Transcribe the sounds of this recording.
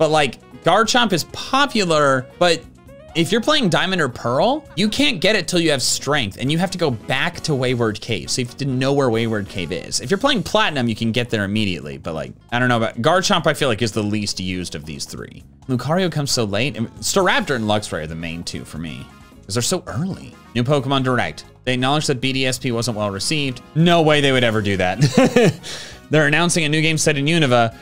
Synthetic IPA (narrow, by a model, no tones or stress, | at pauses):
b̥ʌt̚ˡlaɪkɡ̥ɑɹd̚t͡ʃɑ̃mpɨz̥pʰɑpjl̩ˠə˞b̥ʌɾ | ɪfjə˞pʰl̥eɪɪ̃ŋdãɪ̃mɨ̃nə˞pʰɜ˞l̩ˠjɨkʰæ̃nɡ̥ɛɾɨtʰɪlˠjɨːv̥stɹ̥ɛ̃ŋk̚θɨ̰̃njɨɦæftɨɡoʊbæktʰəweɪwə˞d̚kʰeɪv̥soʊjɨfjɨdɪdⁿn̩noʊwə˞weɪwə˞d̚kʰeɪvɪ̰z̥ɨfjə˞pʰl̥eɪɪ̃ŋpʰl̥æʔⁿnʌ̃mjɨkʰɨ̃n̩ɡɛt̪̚ðə˞ɨmiɾiɨ̰ʔˡlḭb̥ʌ̰t̚la̰ɪk̚aɪɾõʊ̃noʊbaʊt̚ɡ̥ɑɹd̥̚t͡ʃʰɑ̃mpaɪfilaɪkɨzðəlistjʉzdʌvðḭz̥θɹḭ | lukʰɑɹioʊkʰʌ̃mz̥soʊleɪtɨ̰̃nstɑɹæp̚tə˞ɨ̃nlʌɡsɹeɪə˞ðɨmḛ̃ɪ̃ntʰʉ̰fə˞mḭ | ʌzðə˞soʊʔɜ˞nlḭ | nʉpʰoʊkəmɑ̃ndə˞ɛ̰k̚t̪̚ | ðeɪɨk̚nɑlˠəd͡ʒðɨt̚b̥iɾiɛspʰiwʌzə̃nʔwɛlˠɹɨsivdnoʊweɪðeɪwɨɾɛvə˞dɨðæt̚ | ðə˞ɨnãʊ̃nsɪ̃ŋɨnʉɡẽɪ̃msɛɾɨ̃njʉnɨvə